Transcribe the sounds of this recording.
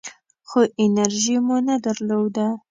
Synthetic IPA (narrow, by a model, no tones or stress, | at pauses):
xoʔɪnaɾʒimunad̪aɾlod̪a